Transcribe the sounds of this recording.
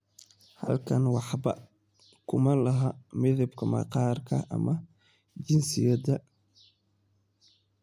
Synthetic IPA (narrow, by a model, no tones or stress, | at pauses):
hɐlkʰɐnwɑħbɐ | kʰʊmɐlɐɦɐmɪðɐbkʰɐmɐ̰qɑːrkʰɐʔɐ̰mɐ | d͡ʒɪnsɪjɐd̪ɐ